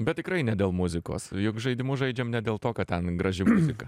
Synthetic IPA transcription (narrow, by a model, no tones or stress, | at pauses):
bʲɛt̪̚tʲɪkɾɐɪnʲɛdʲeːlˠmʊzʲɪko̰ːsjʊkʒɐɪd̪ʲɪmʊʒɐɪd͡ʒʲɛːmnʲɛd̪ʲeːlˠt̪oːkɐttʲɛnɡrɐʒʲɪmʊzʲɪkɐ